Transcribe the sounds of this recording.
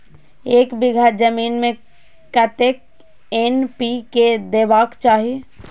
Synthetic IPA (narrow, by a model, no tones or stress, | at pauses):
eːkbɪɡʱəɾd͡ʒəmiːnmẽ | kət̪ek̚ | enpiked̪eːʋaːkt͡ʃaːɦie